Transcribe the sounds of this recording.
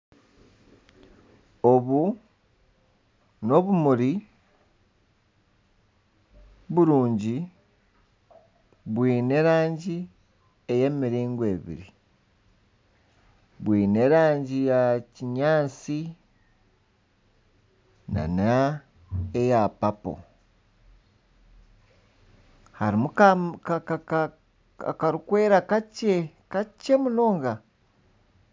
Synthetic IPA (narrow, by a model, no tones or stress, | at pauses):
o̞βu | no̞βumuɾi | βuɾuːɲɟi | βwiːne̞ɾaːɲɟi | e̞je̞ːmiɾiːŋɡwe̞βḭɾi | βwiːne̞ɾaːɲɟijaciɲaːt͡si | na̰na | ejapapo̰ | haɾimukakakaa | a̰kaɾukwe̞ːɾakace | kace̞mulo̞ːŋɡa